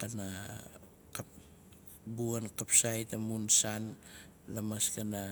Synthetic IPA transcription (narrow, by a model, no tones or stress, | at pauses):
kana | kap | buankapsajtamunsan | lamaskana